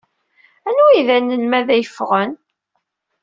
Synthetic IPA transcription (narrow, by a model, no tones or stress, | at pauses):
ænuiðænːəlmæðæjəfʁən